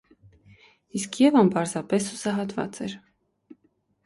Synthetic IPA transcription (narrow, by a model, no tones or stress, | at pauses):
iskʰjɛvɑmpɑɾzɑpɛsusɑɦɑt̪vɑ̰t͡sɛɾ